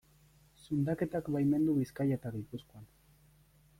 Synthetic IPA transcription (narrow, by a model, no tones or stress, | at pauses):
sund̪ake̞t̪akbajme̞nd̪uɣiskajet̪aɣipuskoan